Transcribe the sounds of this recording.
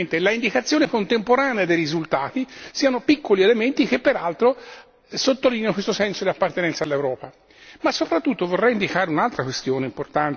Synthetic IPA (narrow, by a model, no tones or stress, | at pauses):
nt̪elaind̪ikat̪sːjoːnekont̪empoɾaːnead̪ejrizult̪aːt̪isiːanopikʰːolielement̪ik̟epːeɾalt̪ɾo | sot̪ːoliːnjanokwest̪osɛnsod̪iapːart̪enɛnsalːewɾɔːpa | masːopɾat̪ːut̪ːovorːɛjind̪ikaːɾeunalt̪ɾakwest̪joːneimport̪ant